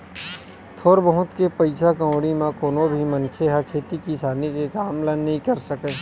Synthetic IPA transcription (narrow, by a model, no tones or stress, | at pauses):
t̪ʰoːɾbəɦʊ̃t̪kepɐɪsʰakə̃wɽimãkoːnobʱimɐnkʰeɦɛkʰeːt̪ikisaːnikekaːmlɐnnɐɦĩkɐɾsəkẽː